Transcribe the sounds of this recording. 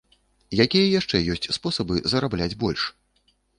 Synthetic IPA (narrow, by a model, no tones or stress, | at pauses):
jakʲijɐjaʂt͡ʂɛjɔsʲt͡sʲspɔsɐbɨzɐɾablʲad͡zʲbɔlʲʂ